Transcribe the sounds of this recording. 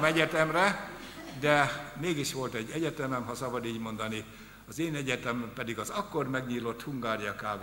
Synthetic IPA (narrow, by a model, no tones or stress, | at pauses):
mɛɟɛt̪ɛmrɛ | d̪ɛmeːɡiʃʋo̞lt̪ɛɟːɛɟɛt̪ɛmɛmɦɒsɒbɒd̪iːɟmo̞nd̪ɒni | ɒzeːnɛɟɛt̪ɛmpɛd̪iɡɒzɒkːo̞rmɛɡɲiːlo̞t̪huŋɡaːɾijɒkaːv